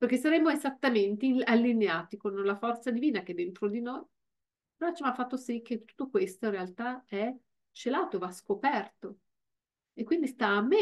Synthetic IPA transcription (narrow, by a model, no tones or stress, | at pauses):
perkes̬aɾemːoezat̪ːament̪ealːineaːt̪ikonlafɔrt̪sad̪iviːnak̟ed̪ːent̪ɾod̪inoj | not͡ʃamafːat̪ːosik̟ːet̪u̥t̪ːokwest̪oĩnrealt̪aɛ | t͡ʃelaːt̪oevaskopɛrt̪o | ekːwind̪ist̪aːmːe